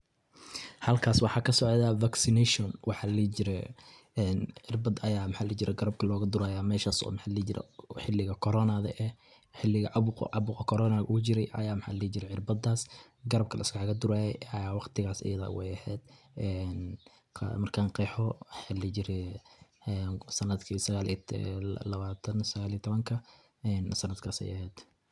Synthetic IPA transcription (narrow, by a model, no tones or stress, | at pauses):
hɐlkʰaːswɑħɑːkʰɐsɔʕðavaksɪnɛʃɔnwɑħɑːlit͡ʃɪɾɛ̰ | ɛːnʕɪrbɐd̪ɐjaːmħaːlit͡ʃɪɾɛɡɐɾɐb̚kʰɐlɔːɣɐd̪ʊɾaːjaːmɛːʃaːsɔ̰ːmɪħaːliːd͡ʒɪɾɛ̰ħɪlɪɣɐkʰɔɾɔnɐðɐ̰ʔɛ | ħɪlːɪɣɐʕɑʊqɑβʊːqɐkʰɔɾɔːnaɡʊt͡ʃɪɾɛjʔɐ̰jaːmħa̰ːliːd͡ʒɪɾɛʕɪrbɐd̪aːs | ɡɐɾɐb̚kʰɐlʔɐ̰ɪsɡɑħkɐd̪ʊɾaːjɛjaːwɑqt̪ʰɪɣaːsɐ̰jɐða̰ːwɛjɛhɛːd̪̥ | ɛn̰ʰ | mɐrkʰaːnqɛːħɔħalɛt͡ʃɪɾɛ | ɛnsɐnɐd̪kʰisɐɣaːli | lɐβaːt̪ʰɐnsɐɣaːlit̪ʰɔβɐŋkʰɐ | ɛnsɐnːɐd̪kʰaːsɛ̰jɐhɛːd̪̥